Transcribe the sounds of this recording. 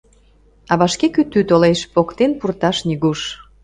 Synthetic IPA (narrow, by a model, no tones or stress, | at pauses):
ɑβɑʃkekyt̪yt̪oleʃpokt̪enpurt̪ɑʃniɣuʃ